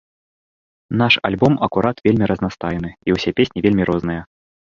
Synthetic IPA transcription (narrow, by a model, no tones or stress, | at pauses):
naʂa̰lʲbɔmɐkuɾʔat̪vʲelʲmʲiɾʔɐznast̪ajnɨiwsʲɛpʲesʲnʲivʲelʲmʲiɾʔɔznɨjɐ